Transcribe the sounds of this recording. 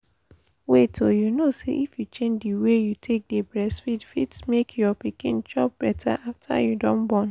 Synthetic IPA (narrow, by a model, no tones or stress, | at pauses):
wetʰojunosḛʔifjut͡ʃẽnd͡ʒdiwejutʰek̚debɹɛsfitfitsmekʰjɔpikĩnd͡ʒɔp̚b̥ɛtʰa̰ʔaftʰa̰judõnbɔ̃n